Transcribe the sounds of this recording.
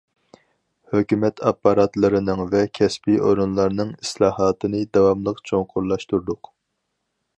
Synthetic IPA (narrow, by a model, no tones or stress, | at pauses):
høkʲymɛt̪ʰɑpːɑɾɑt̪lˠɨɾɨnɨŋvɛkʲʰɛspiʔoɾunlˠɑɾnɨŋislˠɑːɦɑːt̪ʰɨnɨd̪ɑwɑmlˠəqt͡ʃʰoŋqʰʊɾlˠɑʃt̪uɾd̪ʊq